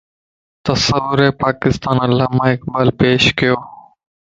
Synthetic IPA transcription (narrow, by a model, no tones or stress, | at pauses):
t̪ɐsəʋʊɾeːpaːkɪst̪aːnəlːaːmãːɪk̚baːlpeːʃkɪjoː